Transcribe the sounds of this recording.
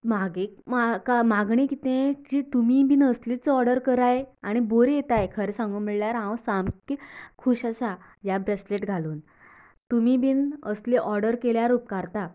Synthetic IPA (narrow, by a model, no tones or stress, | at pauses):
maɡẽmakamaɡɳ̃ĩkit̪ẽd͡ʑit̪umibiːnəslit͡sɔɾɖəɾkəɾajeaɽ̃iboɾjet̪ajkʰəɾesãŋɡuːmiɭljaɾɦãwsamkkʰuɕasa | jabɾesleʈɡʱaluːn | t̪umibʱiːnəsliʔɔɾɖəɾkeljaɾuːp̚kaɾt̪a